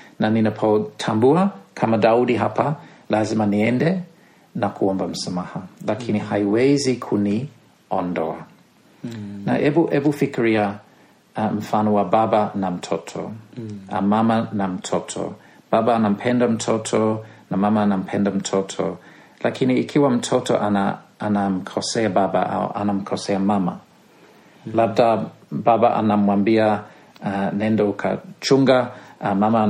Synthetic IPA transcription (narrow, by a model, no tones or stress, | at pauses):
naninapʰɔtʰambuakʰamadauɗiɦapalazimaniɛndɛ | nakʰuɔmbam̩samahalakʰinihaiwɛzikʰuni | ɔndɔa̰ | na̰ʔɛbuʔɛbufikiɹia | m̩fanɔwababanam̩tʰɔtʰɔ̰a̰mamanam̩tʰɔtʰɔ̰ | b̥abaanam̩pʰɛndam̩tʰɔtʰɔnamamaanam̩pʰɛndam̩tʰɔtʰɔ̰ | lʔakʰiniːkʰiwam̩tʰɔtɔ̰ʔanaanam̩kʰɔsɛababa̰ʔa̰w̰ʔa̰nam̩kʰɔsɛamama̰ | lab̚da | babaʔa̰namwambia | anɛ̃ndɔukʰa̰t͡ʃuŋɡamama